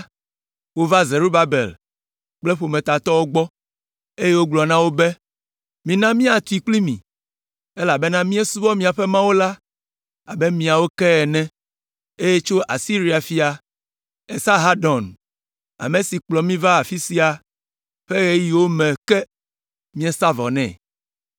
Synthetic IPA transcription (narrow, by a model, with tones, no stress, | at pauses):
wo˦va˦ze˨ɾo˦ba˨bḛ˨l | k͡plɛ˦ɸo˨mɛ̃˨t̪a˨t̪ɔ˦wo˦ɡ͡bɔ˦ | e˦je˦wo˦ɡ͡blɔ˨nã˦wo˦be˦ | mĩ˨nã˦mĩ˦a˨t̪u˨˦i˨k͡pli˦mḭ̃˨ | e˦la˨bɛ˦nã˦mĩ˦e˦su˦vɔ˦mĩ˨a˨ɸɛ˦mã˦wo˦la˦ | a˨bɛ˦mĩ˨a˨wo˦kɛ˦ɛ˨nɛ̃˦ | e˦je˦t͡ʃo˦ʔa˨si˦ɾi˨a˨fi˨a˨ | ɛ˨sa˦ɦa˦ɖɔ̃˨n | a̰˨me˨si˨k͡plɔ˨mĩ˦va˦a˨fi˦si˦a˨ | ɸe˦ɣe˦ji˨wo˦mɛ̃˨kɛ˦ | mĩ˦e˦sa˦vɔ̰˨nɛ̰̃˦˨